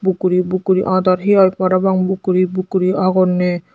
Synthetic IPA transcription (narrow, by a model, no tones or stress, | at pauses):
bukuɾibukuɾiʔãd̪aɾɦiajpaɾabaŋbukuɾibukuɾiʔaɡɔne